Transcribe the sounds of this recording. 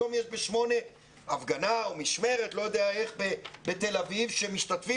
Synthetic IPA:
omjeʃbeʃmo̞ne̞ | avɡanaomiʃme̞ʁet̪lo̞jod̪eae̞χbebet̪e̞lavivʃemiʃt̪at̪fi

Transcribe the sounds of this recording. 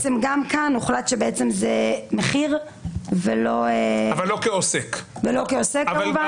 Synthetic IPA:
t͡semɡamkanuχlat̪ʃebeet͡semzemeχiʁ | velo̞eavalːokeosekvelo̞keosekːaamuva

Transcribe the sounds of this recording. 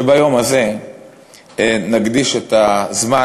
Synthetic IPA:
ebajo̞maze̞ | naɡd̪iʃet̪azma

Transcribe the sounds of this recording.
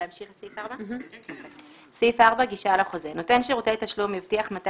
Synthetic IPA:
amʃiχsifaʁba | sifaʁbaɡiʃalaχo̞zeno̞t̪e̞nʃeʁotet̪aʃlumivt̪iaχmat̪a

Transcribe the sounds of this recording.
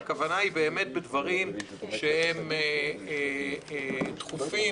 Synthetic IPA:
kavanaibe̞ːme̞t̚bedvaʁim | ʃeheme | t̪χufi

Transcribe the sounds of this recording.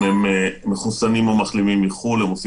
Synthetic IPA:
emmeχusanimomaχlimimiχulemosi

